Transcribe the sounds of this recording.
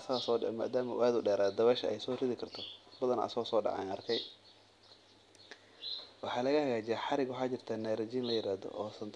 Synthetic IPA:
ɐsɐsɔːɖ̰ma̰ːd̪aːmɐʔʊ̰ʔaːd̪ʊɖɛːɾaːd̪ɐβɛʃɐɛjsɔːrɪðɪkʰɐrt̪ʰɔbɐðɐnɐ̰sɔːsɔːɖɑ̰ʕɑ̰jnɐrkʰɛj | wɑħɑːlɐɣɐhɐɣaːd͡ʒɪjaħɑɾɪɡwɑħɑːt͡ʃɪrt̪ʰanɛːɾɐd͡ʒiːnlɐjɪɾaːðɔ̰ʔɔːsɐnt̪ʰ

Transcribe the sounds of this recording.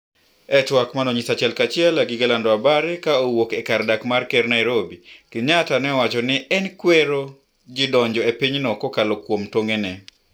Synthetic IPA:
ɛtwakmanɔɲisat͡ʃɛlkat͡ʃɪɛlaɡɪɡalandɔabaɾɛkaowokɛkardakmarkɛɾnajɾobikɪɲatanɛɔwat͡ʃɔnɪʔɛnkweɾo | d͡ʒɪdɔɲd͡ʒɔepiɲnɔkɔkalokwomtoŋenɛ

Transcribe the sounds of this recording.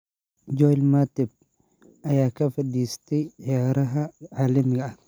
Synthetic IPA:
d͡ʒɔjlmat̪ɛb̚ | ɐjaːkɐfɐd̪iːst̪ɛʕɪjaːɾɐɦɐʕaːlɐmɪɡɐɐ

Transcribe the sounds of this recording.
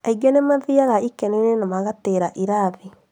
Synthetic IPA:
aiɡɛnemaðiaɣaikɛnenenamaɣateɾaʔiɾaði

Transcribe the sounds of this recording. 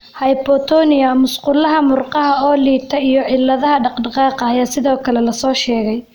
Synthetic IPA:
hɐjpɔt̪ʰɔnɪjɐmʊsqʊlɐɦɐmʊrqɑɦɐɔːliːt̪ʰɐijɔʕɪlːɐðɐɦɐɖɑqɖɑqɑːqɑːjaːsɪðɔːkʰɐlɛlɐsɔːʃɛːɣɛj

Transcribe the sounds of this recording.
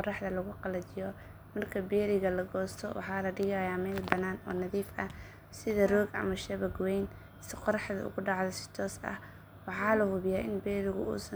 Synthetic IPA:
ɔrɑħðɐlɐɣʊqɑlɐdɪjɔ | mɐrkʰɐbɛːɾɪɣɐlɐɡɔːst̪ʰɔwʔɑ̰ħɑːlɐɖɪɣaːjaːmɛːlbɐnaːnɔ̰ːnɐðiːfɐ | sɪðɐrɔːɡʔɐ̰mɐʃɐβɐɡwɛjn | sɪqɔɾɑħðɐ̰ʔʊ̰ɣʊɖɑʕðɐsɪ̥t̪ʰɔːsɐ̰h | wɑħɑːlɐhʊβjaːʔɪnbɛːɾɪɣʊ̰ṵːsɐ

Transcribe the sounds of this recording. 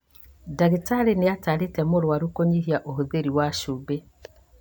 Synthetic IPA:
daɣitaɾeneataɾetɛmoɾwaɾukoɲiɦiaʔohoðeɾiwaʃube

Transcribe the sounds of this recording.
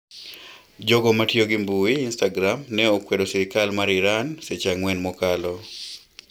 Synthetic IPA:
d͡ʒoɡɔmatjoɡɪmbuwiːnstaɡɾamnɛokwedosɪɾɪkalmaɾɪɾanset͡ʃaŋwɛnmɔkalɔ

